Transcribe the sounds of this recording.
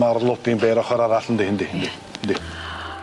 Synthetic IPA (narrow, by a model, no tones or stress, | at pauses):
ɔɾɮʊːt̪iːmpæɾɔχœːɾaɾaːɮə̆nt̪exɘ̆nt̪exnt̪e | nt̪e